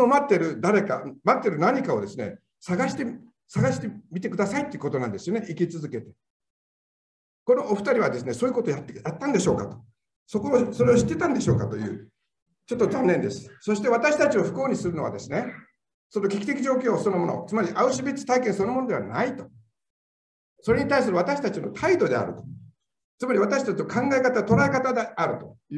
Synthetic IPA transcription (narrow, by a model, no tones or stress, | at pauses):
nomat̪ːe̞ɾɯ̟d̪aɾe̞ka̰mat̪ːe̞ɾɯ̟naɲ̟ikaod̪e̞sɨne̞̰ | saɡaɕi̥t̪e | saɡaɕi̥t̪e̞mʲit̪e̞kɯ̟d̪asait̪ːoeiɯ̟ko̞t̪o̞nãnd̪e̞sɨjo̞neʔikʲit͡sɨzɨke̞t̪e̥ | ko̞no̞oɸɯ̟̥t̪aɾʲiβad̪e̞sɨne̞soːjɯ̟ko̞t̪ojat̪ːejat̪ːãnd̪e̞ɕo̞ːkat̪o̥ | so̞ko̞ːso̞ɾe̞oɕi̥t̪ːe̞t̪ãnd̪e̞ɕo̞ːkat̪o̞jɯ̰ː | t͡ɕo̞t̪ːo̞zanːẽ̞nd̪e̞sɨ̥so̞ɕi̥t̪e̞βat̪aɕi̥t̪at͡ɕio̞ɸɯ̟̥kɯoːɲ̟isɨɾɯno̞βa̰d̪e̞sɨne̞ | so̞no̞kʲe̞kʲit̪e̞kʲiʑo̞ːk̬ʲo̞ːso̞nomo̞no̞̰t͡sɨmaɾʲiʔaɯ̟ɕibʲit͡sɨ̥t̪aikẽɰ̃so̞nomo̞no̞d̪e̞βa̰nait̪o̞̥ | so̞ɾeɲ̟it̪aisɨɾɯβat̪aɕi̥t̪at͡ɕino̞̰t̪ʰaid̪o̞d̪e̞̰a̰ɾɯ̟̰t̪o | t͡sɨmaɾʲiβ̞at̪aɕi̥t̪at͡ɕinokʰãŋɡaekat̪at̪o̞ɾae̞kat̪ad̪e̞aɾɯ̟t̪o̞j